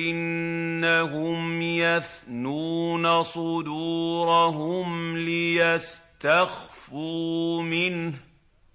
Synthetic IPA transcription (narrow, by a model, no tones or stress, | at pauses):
ʔɪnːaɦʊmjaθ | nuːnasˤʊd̪uːɾɑɦʊmlɪjast̪axfuːmɪnh